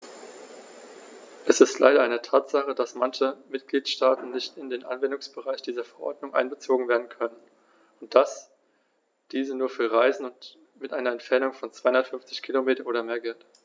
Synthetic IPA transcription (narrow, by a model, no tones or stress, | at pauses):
ʔɛsɪstlʔa̰ɪɾɐʔaɪnətʰaːtz̥aχəd̥asmançəmɪtɡ̥liːtʃtaːtn̩nɪçtɪndeːnʔa̰nvɛndʊŋsb̥əʁaɪçd̥iːzɐfɛɐʔɔ̰ɐdnʊŋʔa̰ɪnbət͡soːɡŋ̩veːɐdn̩kʰœnən | ʊnt̚d̥as | d̥iːzənuːɐfyːɐʁaɪzn̩ʊnt | mɪtʔaɪnɐɛntfɛɐnʊŋfɔnt͡sv̥aɪhʊndɐtfʏɱft͡sɪçkʰiːlomeːtɐnʔoːdɐmeːɐɡɛlt